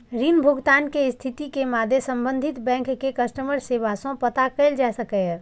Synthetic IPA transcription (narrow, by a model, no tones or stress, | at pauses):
ɾinbʱʊɡt̪aːnkeɪst̪ʰit̪ikemaːd̪ʱesə̃mbə̃nd̪ʱit̪bɛ̃ːŋkːekəsʈəməɾseːʋasõpət̪akəɪld͡ʒasəkɛ